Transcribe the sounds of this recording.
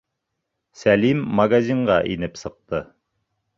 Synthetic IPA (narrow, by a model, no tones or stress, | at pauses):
sælimːɐɡazʲiɴʁɑʔinɘpsɤ̆q̚t̪ɤ